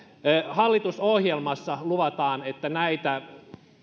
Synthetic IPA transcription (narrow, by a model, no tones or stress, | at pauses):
hɑlːit̪usohjelmɑsːɑluʋɑt̪ɑːnet̪ːænæit̪æ